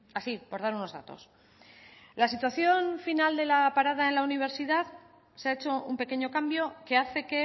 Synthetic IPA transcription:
asipo̞ɾðaɾuno̞zða̰t̪o̞̰s | lasit̪waθjo̞nfinald̪e̞lapaɾaðae̞nlauniβ̞e̞ɾsið̞að | seaet͡ʃo̞umpe̞ke̞ɲo̞kambjo̞ke̞aθe̞ke̞

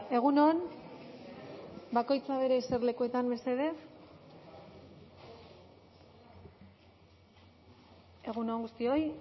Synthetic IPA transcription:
e̞ɣ̞unon | bako̞jt͡saβe̞ɾeːserle̞kue̞t̪ambe̞seðe̞f | e̞ɣuno̞ːŋɡust̪io̞j

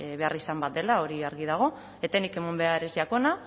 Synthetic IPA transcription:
βe̞arisambat̪̚d̪e̞lao̞ɾiaɾɣið̞aɣ̞o̞ | e̞t̪anike̞mumbe̞aeɾesiako̞na

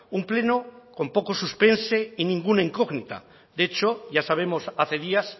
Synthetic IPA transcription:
umplenoko̞mpo̞kosuspe̞nse̞inĩŋɡunaeŋkoɣnit̪a̰ | d̪e̞t͡ʃoʝasaβ̞e̞mo̞saθe̞ðias

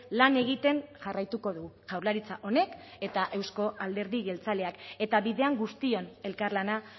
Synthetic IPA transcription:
lane̞ɣ̞it̪e̞nʝarajt̪uko̞ðuʝawɾlaɾit͡saʔo̞ne̞ke̞t̪aʔe̞wsko̞ʔald̪e̞ɾðiɣe̞lt͡sale̞ake̞t̪aβiðe̞aŋɡust̪io̞ne̞lkarlana

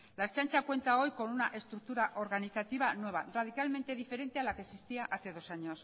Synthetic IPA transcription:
laest͡ʃant͡ʃakwe̞nt̪ao̞jko̞nunaʔe̞st̪ɾuk̚t̪uɾaʔo̞ɾɣaniθat̪iβ̞anwe̞β̞a̰rað̞ikalme̞nt̪eðife̞ɾe̞nt̪e̞alakesist̪iaʔaθe̞ðo̞saɲos

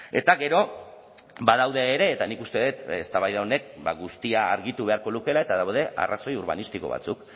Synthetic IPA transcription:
e̞̰t̪aɣe̞ɾo̞ | bað̞awðe̞ːɾe̞ːt̪anikust̪e̞ðet̪est̪aβajðao̞ne̞k̚baɣust̪iaːɾɣit̪uβe̞aɾko̞luke̞lae̞t̪aðawð̞e̞ʔa̰raso̞juɾβ̞a̰nist̪iko̞̰βa̰t͡suk

